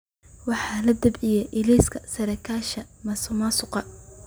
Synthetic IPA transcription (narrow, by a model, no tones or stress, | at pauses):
wɑħɑːlɐd̪ɐbijɐʔɪliːskʰɐsɐɾɐkʰaːʃɐmɐsʊmasʊqɑ